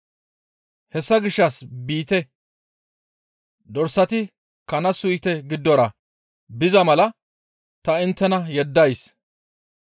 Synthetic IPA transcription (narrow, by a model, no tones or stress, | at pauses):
hɛsːɐɡɪʃːɐsbiːt̪ɛ | d̪ɔɾsːɐt̪ɪ | kɐnɐsʊjt̪ɛɡɪd̪ːɔɾɐ | bɪzɐmɐlɐ | t̪ɐɪnt̪ːɛnɐjɛd̪ːɐjs